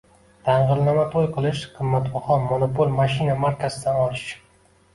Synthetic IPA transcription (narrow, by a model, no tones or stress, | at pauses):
t̪ʰaɴʁɨɾnamat̪ʰojqʰɨlˠɪʃqʰɨmːat̪bɒχɒmonopolʲmaʃinamaɾkʰʲasɪd̪anɒlɪʃ